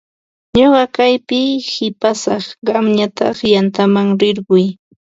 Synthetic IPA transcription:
ɲoɢɑkajpɪhɪpasɑχɢɑmɲat̪ɑχjant̪amaŋɾɪɾɢʊj

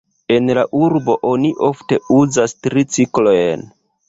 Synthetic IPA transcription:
e̞nlaʔuɾbo̞ʔo̞niʔo̞fte̞uzastɾit͡siklo̞jn

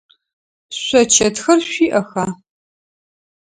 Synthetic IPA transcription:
ɕʷɐt͡ʃʰɐtxɐrɕʷiːʔɐxaː

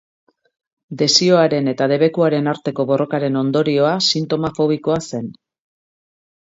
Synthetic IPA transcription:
d̪e̞sio̞aɾe̞ne̞t̪að̞e̞βe̞kuaɾe̞naɾt̪e̞ko̞βo̞rʔo̞kaɾe̞no̞nd̪o̞ɾio̞asint̪o̞mafo̞β̞iko̞ase̞n

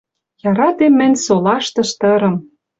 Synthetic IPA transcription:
jɑɾɑt̪emːɘ̆nʲsolɑʃt̪ɤ̆ʃt̪ɤ̆ɾɤ̆m

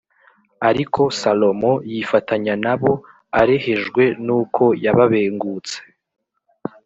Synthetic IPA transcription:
aɾikʰo̞salo̞mo̞jifatʰaɲanaβo̞ | aɾe̞he̞ʒɡwe̞nuːkʰo̞jaβaβe̞ːŋɡuːt͡se̥

